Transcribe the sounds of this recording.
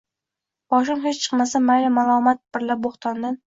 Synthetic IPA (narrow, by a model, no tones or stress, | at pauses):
b̥ɒʃ̬ɪŋɦet͡ʃt͡ʃʰɨ̥qmasamajlamalˠɒmat̪̚b̥ɪɾlaboχt̪ʰɒnd̪an